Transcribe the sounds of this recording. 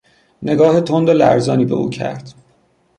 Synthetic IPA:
ne̞ɡɒːhet̪ʰond̪olæ̰ɾzɒːniːbe̞̰ʔṵːcʰæ̰ɾd̪̥

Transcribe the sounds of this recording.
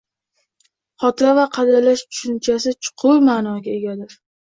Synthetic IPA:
χɒt̪ʰɪɾavaqʰɑd̪alaʃt̪ʰʊ̥ʃʊnt͡ʃʰasɪt͡ʃʰʊ̥qʰʊɾmaːnɒɡʲae̞ɡʲad̪ɪɾ

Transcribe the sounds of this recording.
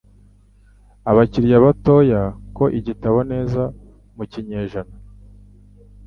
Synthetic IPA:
aβaciɾjaβato̞jako̞ʔiɟitaβone̞ːza | muciɲeʒana

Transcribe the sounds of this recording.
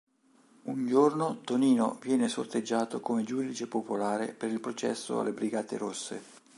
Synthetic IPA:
und͡ʒornot̪oniːno̰vjɛːneso̰rt̪ed͡ʒːaːt̪okomed͡ʒuːd̪it͡ʃepopolaːɾḛpeɾilpɾot͡ʃɛ̰sːo̰a̰lːebɾiɡaːt̪ḛɾosːḛ

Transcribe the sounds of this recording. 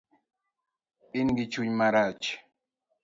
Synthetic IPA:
ɓinɡit͡ʃuɲmaɾat͡ʃ

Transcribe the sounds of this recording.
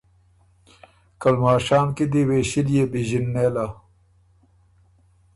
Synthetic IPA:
kɐlmaːʂaːnkid̪iweɕiljebiʑinːela

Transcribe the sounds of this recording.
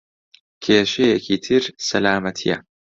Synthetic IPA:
kʰeːʃejɛkʰiːt̪ʰɨɾsɐlaːmɐt̪ʰḭjɐ̰

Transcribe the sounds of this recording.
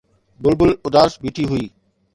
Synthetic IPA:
bʊlbʊlʊd̪aːsbiːʈʰiɦʊiː

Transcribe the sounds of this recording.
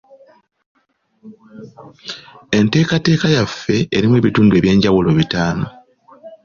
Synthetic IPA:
e̞nte̞ːkate̞ːkajafːe̞eɾimwe̞ːβituːndue̞ːβje̞ːɲɟawulo̞βitaːno̞

